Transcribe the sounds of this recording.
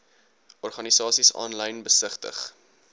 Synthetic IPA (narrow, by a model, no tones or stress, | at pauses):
ɔrχɐnisɑːsisɑ̰ːnləjnbəsəχtə̰χ